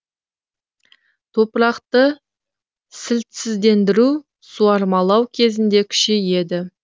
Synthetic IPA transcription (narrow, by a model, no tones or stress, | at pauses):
t̪ʰo̞pɾɑqt̪ə | sɪlt̪sɪzd̪e̞nd̪ɪɾu | suɑɾmɑlˠɑwkʲʰe̞zɪnd̪e̞kʲʰʏ̥ʃeje̞d̪ɪ